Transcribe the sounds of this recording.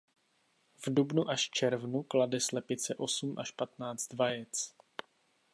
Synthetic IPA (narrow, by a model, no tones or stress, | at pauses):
vdubnuʔaʃft͡ʃɛɾvnukladɛslɛpɪt͡sɛʔo̞sumʔaʃpat̪naːd͡zd̪vajɛt͡s